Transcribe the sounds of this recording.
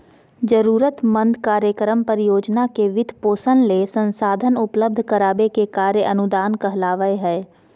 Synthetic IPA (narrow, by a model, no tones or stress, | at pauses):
d͡ʒəɾuːɾət̪mə̃nd̪kaːɾjəkɾəmpəɾjoːd͡ʒnakeʋɪd̪ʱpoːsənlesə̃nsaːd̪ʱənʊpləb̚d̪ʱkəɾaːbekekaːɾjəʔɐnʊd̪aːnkɐɦlaːʋəeɦɛː